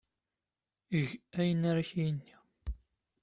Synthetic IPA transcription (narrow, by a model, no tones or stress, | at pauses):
əʝæjənaɾaçijənːi